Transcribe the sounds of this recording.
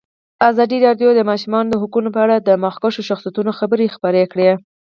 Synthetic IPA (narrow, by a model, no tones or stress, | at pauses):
azɑd̪iɾɑɖjod̪əmɑʃumɑnod̪əɦukunopəaɽad̪əmɑxkaʃoʃaxsijat̪unoxabəɾexpəɾekɽe